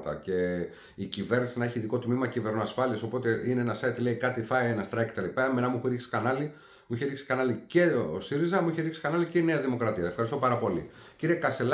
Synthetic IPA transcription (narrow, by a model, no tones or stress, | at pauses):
t̪ɐ̰ce̞ | icive̞ɾnisinɐe̞çiːðiko̞t̪mimɐcive̞ɾnoɐsfɐliɐso̞po̞t̪e̞ineenɐset̪le̞ikɐt̪ifɐjenɐst̪ɾɐkːe̥t̪elipɐmenɐmuixuɾiksi̥kɐnɐli | muiçeɾiksi̥kɐnɐlice̞oosiɾizɐmuiçeɾiksi̥kɐnɐliceine̞ɐðimo̞kɾɐt̪iɐefxɐɾist̪o̞pɐɾɐpo̞li | ciɾiekɐst̪el